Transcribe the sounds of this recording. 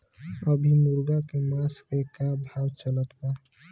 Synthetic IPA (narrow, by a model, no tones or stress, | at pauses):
əbʱimuɾɡakemaskekabʱawt͡ʃələt̪pəɾ